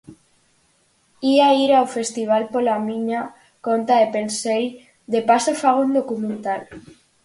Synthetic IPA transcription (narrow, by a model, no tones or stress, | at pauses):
iaiɾawfe̞st̪iβ̞alpolamĩɲa | ko̞nt̪aðepe̞nsej | ðe̞pasofaɣ̞ond̪okumẽnt̪al